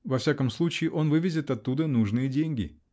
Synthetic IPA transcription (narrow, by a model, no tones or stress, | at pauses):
vɐfsʲakəmslˠut͡ɕɪːʔo̞nvɨvʲɪzʲɪt̪ɐt̪ːud̪ənuʐnɨjədʲenʲɡʲɪ̰